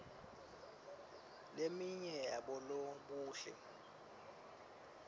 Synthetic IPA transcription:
lemiɲɛjaɓɔloɓuːʃɛ̰

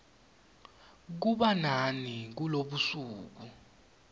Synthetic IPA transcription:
k̬uɓananik̬uloɓusuːk̬u

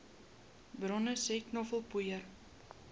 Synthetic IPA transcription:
bɾɔnəseknɔfəlˠpujər

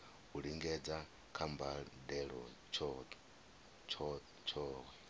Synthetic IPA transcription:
uɺiŋɡɛd͡za | kʰambadɛɺɔ | t͡ʃʰ | t͡ʃʰɔ | t͡ʃʰɔːwɛ

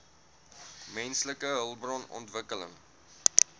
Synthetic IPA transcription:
mɛnsləkəɦəlˠbrɔnɔ̰ntvəkələ̰ŋ

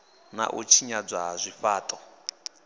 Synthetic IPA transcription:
na̰ʔut͡ʃʰiɲad͡zʷwazʷifaːtʼɔ

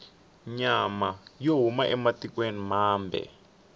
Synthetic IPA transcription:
ɲamajoɦumaʔɛmatikwenimaːmbʱɛ̰

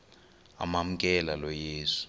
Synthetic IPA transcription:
a̰mam̩kʼɛlalɔjeːsu̥

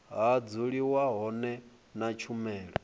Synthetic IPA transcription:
ɦad͡zuɺiwaɦɔnɛ | nat͡ʃʰumɛːɺɔ

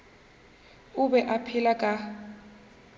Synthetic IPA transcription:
ubɛʔapʰilakʼa

